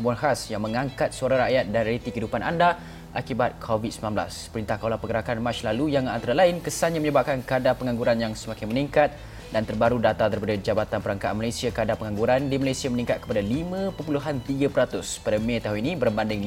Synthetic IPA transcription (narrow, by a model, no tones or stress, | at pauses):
buanɦasjaŋmə̃ŋãŋkat̪̚suaɾãɾaʔjat̪̚danɾjalit̪ikəidupanʔanda | ʔakibat̪̚kʰovidsəmilãnbla̰spəɾint̪ahkaolapəɡəɾakanmat͡ʃlalujaŋa̰nt̪aɾalaɪnkəsaɲaməɲəbap̚kankadapəŋãŋɡuɾanjaŋsəmakɪŋməniŋkat̪̚ | dant̪ərbaɾudat̪at̪aɾipadad͡ʒabat̪anpəɾaŋkaʔanmalasiakadapəŋãŋɡuɾandimalasiamənĩŋkat̪̚kə̥padalimãpəpuluɦant̪iɡapəɾat̪ʊspadamẽt̪aɦuninĩbərbandɪŋ